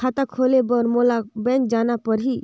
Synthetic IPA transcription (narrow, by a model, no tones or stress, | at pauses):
at̪akʰoːlebɔɾmolabɛ̃ːnd͡ʒaːnapəɾɦi